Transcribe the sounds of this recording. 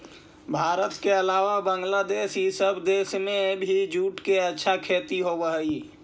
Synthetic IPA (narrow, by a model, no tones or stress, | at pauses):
bʱaːɾət̪keəlaːʋabəŋɡlad̪eːsisəbd̪eːsmẽbʱid͡ʒuːʈkeətːʃʰakʰeːt̪iɦoːʋəɦəi